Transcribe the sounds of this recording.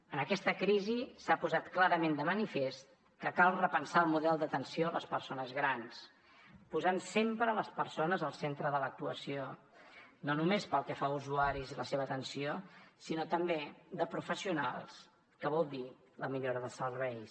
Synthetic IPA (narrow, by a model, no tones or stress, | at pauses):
ənəkɛst̪əkɾizisapuzat̪klaɾəmend̪əmənifest̪̚ | kəkalˠrəpənsaəlˠmuðɛlˠd̪ət̪ənsioələspərsonəzɣɾans | puzansempɾələspəɾsonəzəlˠsent̪ɾəðələk̚t̪uəsio | nonumespəlˠkɛfauzuaɾiziləseβəːt̪ənsiosinot̪əmbed̪əpɾufəsiunalˠs | kəβɔlˠd̪i | ləmiʎoɾəðəsərβɛj